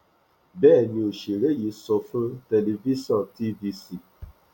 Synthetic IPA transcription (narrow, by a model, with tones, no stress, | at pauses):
bɛː˦˨nĩ˧o˨ʃe˨ɾe˦˨ji˨˧˦sɔ˧fũ˦te˧le˧vi˦si˦ɔ̃˦˨nti˦vi˧si˦˨